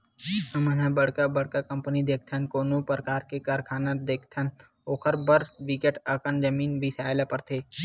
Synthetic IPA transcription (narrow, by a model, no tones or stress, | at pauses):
əmənãbəɽkabəɽ̤kakɐ̃mpənid̪eːk̚ʰt̪ʰənkoːnupɾəkaːɾkekaɾkʰaːnad̪eːkʰt̪ʰən | oːkʰəɾbəɾʋɪkeʈəkənd͡ʒəmiːnbʱisaːjlapəɾt̪ʰeː